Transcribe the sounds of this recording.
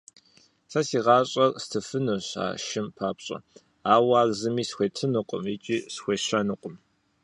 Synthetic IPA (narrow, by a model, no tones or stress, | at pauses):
sɐsiːʁɑːɕʼɐrstʰɨfɨnɨɕa̰ːʃɪmpʰaːpɕʼɐ̰ | aːwaːɣzɨmiːsxʷeːtʰɨnɨqʷʼʊ̰mit͡ʃʼiːsxʷeːɕɐnɨqʷʼʊm